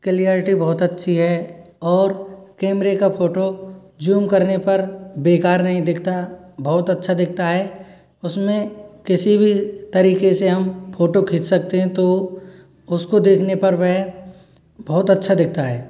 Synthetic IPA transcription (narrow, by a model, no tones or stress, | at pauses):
kɪlijaːɾɪʈibɔɦʊt̪ɐtːʃʰiɦɛ | ɔːɾkeːmɾekapʰoːʈo | d͡ʒuːmkɐɾnepɐɾbeːkaːɾnɐɦĩd̪ɪkʰt̪abɔːʊt̪ɐtːʃʰad̪ɪk̚ʰt̪aɦɛː | ʊsmẽkɪsibʱit̪ɐɾiːkeseɦɐmpʰoːʈokʰɪt͡ʃsɐk̚t̪eɦɛ̃t̪o | ʊskod̪eːkʰnepɐɾʋɛɦ | bɔːʊt̪ɐtːʃʰad̪ɪk̚ʰt̪aɦɛː